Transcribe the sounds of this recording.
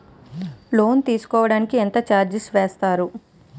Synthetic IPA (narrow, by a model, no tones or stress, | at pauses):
lo̞ːnt̪iːsu̥kɔːʋɐɽaːnikient̪ɐt͡ʃaːɾd͡ʒisʋeːst̪aːɾu